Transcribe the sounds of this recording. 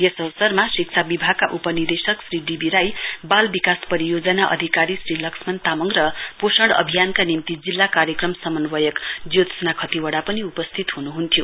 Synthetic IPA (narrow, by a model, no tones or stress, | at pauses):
jesʌwʌsʌrmasik̚t͡sʰabibʱaɡ̚kːaʔupʌnird̪esʌksriɖibiɾajbalbikaspʌɾijod͡zʌnaʔʌ̰d̪ʱikaɾisrilʌksmʌnt̪amʌŋrʌposʌɽʌ̰bʱijankanimt̪id͡zilːakaɾjʌkrʌmsʌmʌnwʌjʌkd͡zjod̪snakʰʌt̪iwʌɽapʌniupʌst̪ʰit̪ɦunuɦunt̪ʰjo